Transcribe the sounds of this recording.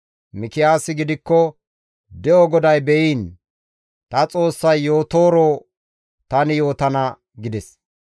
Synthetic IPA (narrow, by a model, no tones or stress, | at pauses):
mɪkɪjaːsɪɡɪd̪ɪkːɔ | d̪ɛʔɔɡɔd̪ɐjbɛjiːn | t̪ɐt͡sʼo̞ːsːɐjːoːt̪o̞ːɾoː | t̪ɐnɪjo̞ːt̪ɐnɐ | ɡɪd̪ɛs